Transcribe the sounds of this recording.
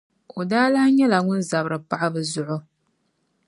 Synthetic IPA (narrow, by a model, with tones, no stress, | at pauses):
o˨daː˦la˦hɲɛ˦la˨ŋʊ˦n˦za˨bɾɨ˨pa˦ʔa˦bɨ˨zʊ˨ʔʊ˦